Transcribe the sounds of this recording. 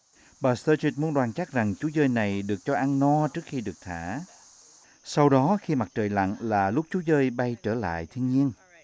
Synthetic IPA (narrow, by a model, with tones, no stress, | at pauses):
ɓaː˨˩st̪əː˧t͡ɕi˦˥t̚mu˨˦ənɗwaː˨˩nt͡ɕa˦˥k̚za˨˩ŋt͡ɕu˨˦zəː˧jna˨˩jɗɨ˨˩ək̚t͡ɕɔ˧ʔa˧nnɔ˧t͡ɕɨ˦˥ək̚xi˧ɗɨ˨˩ək̚t̪ʰaː˧˩ | sa˧wɗɔ˨˦xi˧ma˨˩t̚t͡ɕəː˨˩jla̰˧˨nlaː˨˩lʊ˦˥k͡p̚t͡ɕu˨˦zəː˧jɓa˧jt͡ɕəː˧˩la̰ː˧˨jt̪ʰi˧ənɲi˧ən